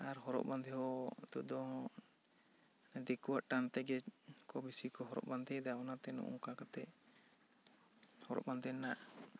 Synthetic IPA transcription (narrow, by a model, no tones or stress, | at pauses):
aɾɦɔɾɔ̰ʔband̪ʱɛɦɔt̪uʔ̚d̪ɔ | ɛd̪ɛkuwaʔʈant̪ɛɡɛkɔbisikɔɦɔɾɔ̰ʔband̪ʱɛd̪aɔnat̪ɛnṵʔṵŋkakat̪ɛʔ | hɔɾɔ̰ʔband̪ʱɛnaʔ